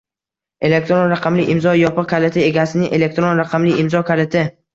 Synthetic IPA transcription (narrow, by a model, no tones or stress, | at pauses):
e̞le̞k̚t̪ɾonɾaqʰɑmlɪʔɪmzɒjɒpɨq̚kʲʰalet̪ʰɪe̞ɡʲasɪnɪŋʔelek̚t̪ɾonɾaqʰɑmlɪɪmzɒkʲʰalɪt̪ʰɪ